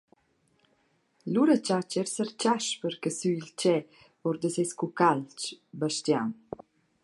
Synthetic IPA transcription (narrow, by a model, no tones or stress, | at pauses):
luɾət͡ʃat͡ʃɛɾsəɾt͡ʃaʃpəɾkəsyilt͡ʃɛ | ɔɾd̪əsɛskukalt͡ʃbaʃt̪jan